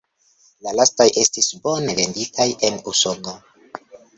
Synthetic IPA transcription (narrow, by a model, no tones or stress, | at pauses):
lalastajʔe̞stisbo̞ne̞ve̞nditʰaje̞nusono